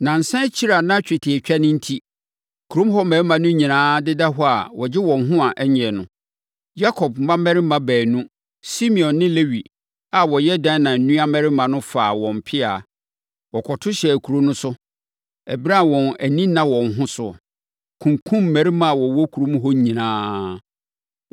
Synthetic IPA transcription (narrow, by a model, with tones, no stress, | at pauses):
nã˨n̩˨sɛ̃˦t͡ɕʰi˦ɾa˨nã˦t͡ɕᶣɪ˨tʰɪ˨ɛ˨t͡ɕᶣa˦nɪ̃˦n̩˦tʰi˦ | kʰu˨ɾõ˦m˦ɦɔ˦mɛ˨ɾi˦mã˨nʊ̃˦ɲĩ˨nãː˨˦dɪ˦da˦ɦɔ˦a̰˨wɔ˨d͡ʑɪ˦wɔ̃˨nɦʊ̃˦a˨ʔɛ˦ɲ˨ɛ˨nʊ̰̃˨ | ja˦kʰɔ˨b̚m̩˨mã˦mɛ˦ɾɪ˦mã˨bɛː˨nũ˦ | si˦mĩ˨ɔ̃˨nːɪ̃˦le˦ɥi˨ | a˨wɔ˨jɛ˦dã˦nã˨n̩˨nũ˦a˦mɛ˦ɾɪ˦mã˨nʊ̃˦faː˨wɔ̃˨m˨pʰɪ˦a˨ | wɔ˨kʰɔ˨tʰʊ˦ɕɛ˨æ˨kʰu˨ɾo˦nʊ̃˦sʊ˦ | ɛ˨bɾa˦˨wɔ̃˨næ˨nĩ˦nã˨wɔ̃˨nɦʊ̃˦sʊ˨ | kʰũ˨ŋkʰũ˦m̩ː˨æ˨ɾi˦mã˦˨wɔ˨wɔ˦kʰu˨ɾõ˦mɦɔ˦ɲĩ˨nãː˦